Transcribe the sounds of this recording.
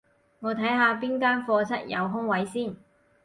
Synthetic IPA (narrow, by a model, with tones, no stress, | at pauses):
ŋɔː˨˧t̪ʰɐ˨˥jɦaː˧p̬iː˥nkaː˥nfɔː˧t͡sʰɐ˥t̚jɐ̰˨˧wɦʊ˥ŋwɐ˨˥jsiː˥˩n